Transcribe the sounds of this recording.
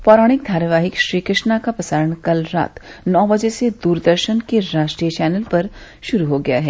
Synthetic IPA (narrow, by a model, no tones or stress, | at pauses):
pɔːɾaːɽ̃ɪk̚d̪ʱaːɾjəʋaːɦɪkʃɾiːkɾɪʃnakapɾɐsaːɾəɽ̃kɐlɾa̰ːt̪nɔːbɐd͡ʒesed̪uːɾd̪əɾʃənkeɾaːʃʈɾijət͡ʃɛːnəlpɐɾ | ʃʊɾuɦoɡɐja̰ɦɛː